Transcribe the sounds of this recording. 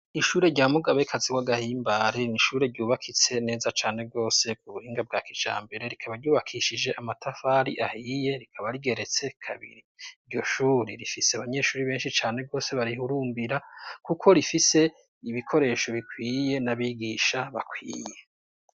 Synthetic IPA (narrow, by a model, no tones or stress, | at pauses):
iʃuːɾe̞ɾɟaːmuɡaβeikʰaziwaɡahiːmbaɾeniʃuːɾe̞ɾɟuːβakʰit͡se̞ne̞ːzat͡ʃaːne̞b̚ɡo̞ːse̞kuβuhiːŋɡab̚ɡaːkid͡ʒa̰ːmbe̞ɾe̞ɾikʰaβaɾɟuːβakʰiʃid͡ʒe̞ʔamatʰafaɾḭʔahiːje̞ɾikʰaβaɾiɡe̞ɾe̞t͡se̞kʰa̰βḭɾiɾɟo̞ʃuːɾiɾifiseaβaɲe̞ʃuːɾiβe̞ːnʃit͡ʃaːne̞bɡo̞ːse̞βaɾihuɾuːmbiɾakukʰo̞ɾifise̞ | iβikʰo̞ɾe̞ʃo̞βikwiːje̞naβiɡiːʃaβa̰kʰwḭːje